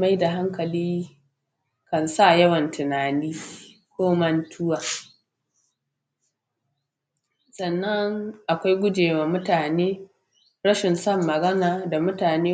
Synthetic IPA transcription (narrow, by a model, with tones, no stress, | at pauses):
ma˦jda˨ɦa˦ŋkɐ˨liː˦ | kɐ˨nsa˦jɐ˦wɐ˨ntɪ˨naː˨niː˦ | kʷoː˦mɐ˦ntʰʊ˦waː˨ | sɐ˨nːɐ˦ŋʔa˨kʷa˦jɡʷʊ˦d͡ʒeː˨waː˨mʊ˦taː˨neː˦ | ɾɐ˦ʃɪ˨nsɐ˦˨mːɐ˨ɡɐ˦naː˨da˨mʊ˦taː˨neː˦